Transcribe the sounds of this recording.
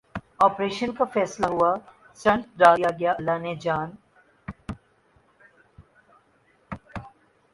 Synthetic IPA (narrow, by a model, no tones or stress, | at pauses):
ɔːpɾeːʃənkafɛːslaɦʊa | sɐ̃ɳʈɾaːjaɡɐjaʔlːaːned͡ʒaːn